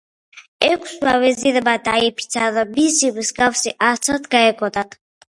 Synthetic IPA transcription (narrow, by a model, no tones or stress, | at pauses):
ɛkʷʰswavɛziɾbad̪aipʰi̥t̪sʰaðɔbisivskafsiʔat̪sʰat̪ʰɡaɛkʰʼɔd̪at̪ʰ